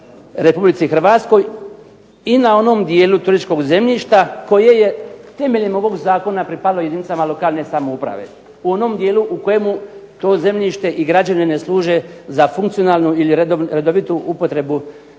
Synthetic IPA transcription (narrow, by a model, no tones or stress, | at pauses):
ɾe̞publit̪sixr̩ʋat̪sko̞j | inao̞no̞md̪jeːlut̪uɾit͡ʃko̞ɡze̞mʎiʃt̪ako̞je̞je̞t̪e̞me̞ʎemo̞ʋo̞ɡzaːko̞napɾipad̪lˠojeinit̪samalo̞kaːlˠne̞samoupɾa̰ʋe̞̰ | uo̞no̞md̪je̞ːluʔuko̞je̞mut̪o̞ːze̞mʎiʃt̪e̞ʔiɡɾad͡ʑanenesluːʒe̞zafuŋkt̪sio̞naːlˠnuiliɾɾed̪o̞ʋit̪uʔupo̞t̪ɾe̞bu